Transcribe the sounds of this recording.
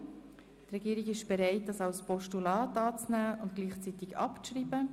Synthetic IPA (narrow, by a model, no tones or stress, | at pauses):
t̪rɛɡ̥iːɾiɡɪʃb̥ɛɾɛɪt̚dɑsɑwspɔʃtulɑːt̪ɑːt͡snæːʊntɡ̥liːχt͡sit̪ɪɡɑ̰pt͡sʃriːbə